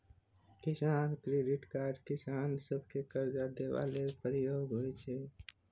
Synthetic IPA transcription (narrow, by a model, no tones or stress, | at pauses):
kɪsaːnkɾeːɖɪʈkaːɾɖkɪsaːnsəb̚kekəɾd͡ʒaːd̪eʋa̰ːlepɾəjoːɡɦoit͡ʃʰeː